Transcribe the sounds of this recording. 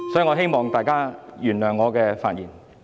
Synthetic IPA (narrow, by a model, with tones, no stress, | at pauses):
sɔ˨˥ji˨˧ŋɔː˨˧ɦe˥jmɔː˨˩ŋt̪aː˨jkaː˥jyː˨˩nlœː˨˩ŋɔː˨˧kɛː˧fa̰ː˧t̚jiː˨˩n